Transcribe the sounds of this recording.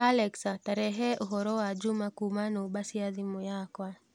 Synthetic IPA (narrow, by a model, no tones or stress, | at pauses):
alɛksataɾɛɦɛʔuɦɔɾɔad͡ʒumakumanɔɓasiaðimujakwa